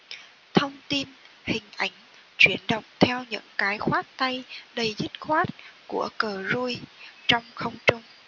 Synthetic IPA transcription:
t̪ʰə˧wŋ͡mt̪i˧n | hï˨˩ŋ̟ʔa˧˩jŋ̟ | t͡ɕwi˧˩ənɗə̰˧˨wŋ͡mt̪ʰɛ˧wɲɨ̰˧˥ŋkaː˨˦jxwaː˦˥t̚t̪a˧jɗə˧˩jzi˦˥t̚xwaː˦˥t̚ku˧˩əkəː˨˩zu˧jt͡ɕɔ˧wŋ͡mxə˧wŋ͡mt͡ɕʊ˧ŋ͡m

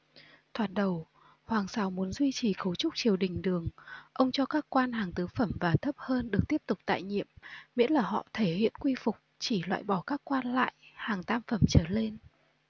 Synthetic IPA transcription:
t̪ʰwaː˨˩t̚ɗə˨˩w | hwaː˨˩ŋsa˨˦wmu˨˦ənzwi˧t͡ɕi˨˩xə˨˦wt͡ɕʊ˦˥k͡p̚t͡ɕi˨˩əwɗï˨˩ŋ̟ɗɨ˨˩əŋʔə˧wŋ͡mt͡ɕɔ˧kaː˦˥kːwaː˧nhaː˨˩ŋt̪ɨ˨˦fə˧˩mvaː˨˩t̪ʰə˦˥p̚həː˧nɗɨ˨˩ək̚t̪i˦˥əp̚t̪ʊ˨˩k͡p̚t̪a̰ː˧˨jɲḭ˧˨əmmḭ˧˥ənlaː˨˩hɔ̰˧˨t̪ʰe˧˩hḭ˧˨ənkwi˧fʊ˨˩k͡p̚t͡ɕi˧˩lwa̰ː˧˨jɓɔ˧˩kaː˦˥kːwaː˧nla̰ː˧˨jhaː˨˩ŋt̪aː˧mfə˧˩mt͡ɕəː˧˩le˧n

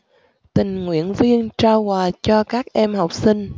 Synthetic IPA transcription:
t̪ï˨˩ŋ̟ŋwḭ˧˥ənvi˧ənt͡ɕaː˧whwaː˨˩t͡ɕɔ˧kaː˦˥k̚ʔɛ˧mɦa˨˩wk͡p̚si˧ŋ̟

